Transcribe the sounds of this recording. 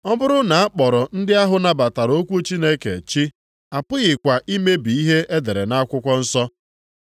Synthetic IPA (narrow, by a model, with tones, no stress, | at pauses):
ɔ˦bʊ˦ɾʊ˦na˨a˦k͡pɔ˨ɾɔ˨n̩˦dɪ˦a˦ɦʊ˨na˦ba˨ta˨ɾo˦kʷu˦t͡ʃi˦ne˦kḛ˨t͡ʃi˦ | a˨pʊ˦ɣɪ˨kʷa˨ʔi˦me˦bi˨i˦ɦe˦ʔe˦de˨ɾe˨na˦a˦kʷʊ˦kʷɔ˦n̩˦sɔ˦